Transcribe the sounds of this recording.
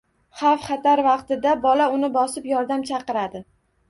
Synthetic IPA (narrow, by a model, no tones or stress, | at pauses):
χɑfχɑt̪aɾvɑqt̪ɪd̪abɒlaʊnɪbɒsɪpjɒɾd̪amt͡ʃʰɑqɨɾad̪ɪ